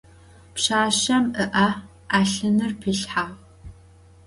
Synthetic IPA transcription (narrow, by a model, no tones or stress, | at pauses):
pɕaːɕɐmʔəʔa | aːɬɨnɨrpʰɨɬħaː